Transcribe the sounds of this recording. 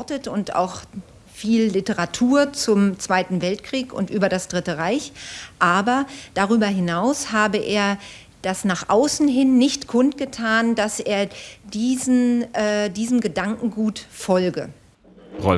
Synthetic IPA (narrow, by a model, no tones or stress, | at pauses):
ɔtətʊnta̰ʊx | fiːlːɪtəʁatʰuːɐt͡sʊmt͡sv̥aɪtn̩vɛltkʁ̥iːkʊ̰ntʔyːbɐɾasd̥ʁɪtəʁaɪçʔaːbɐd̥aʁyːbɐɦɪnaʊshaːbəʔeːɐ | d̥asnaːχʔaʊsn̩ɦɪnːɪçtkʰʊntɡ̥ətʰaːndasʔeːɐdiːznʔɛːdiːzn̩ɡədaŋkŋ̩ɡuːtfɔlɡə | ʁɔ